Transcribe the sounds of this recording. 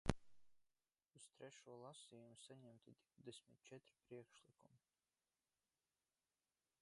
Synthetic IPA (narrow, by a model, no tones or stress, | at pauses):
ust̪ɾɛʃuɔlˠasiːjumusaɲɛmt̪id̪iwd̪esʲmit̪̚t͡ʃɛt̪ɾi̥pɾiɛkʃlikumi